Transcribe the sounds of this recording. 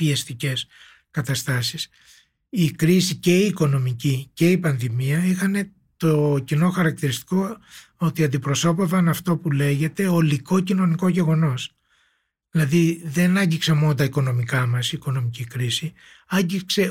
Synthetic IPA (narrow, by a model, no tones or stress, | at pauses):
piɐst̪ice̞s | kɐt̪ɐst̪ɐsis | ikɾisice̞iːko̞no̞micice̞ipɐnðimiɐixɐne̞ | t̪ocino̞xɐɾɐk̚t̪iɾist̪i̥ko̞ | ot̪iɐnd̪ipɾo̞so̞pevɐnɐft̪o̞pule̞ʝe̞t̪e̞oliko̞cino̞niko̞ʝe̞ɣo̞no̞s | ðilɐðiðe̞nɐɲɟiksemonot̪ɐiko̞no̞mikɐmɐsiːko̞no̞micikɾisi | ɐɲɟikse̞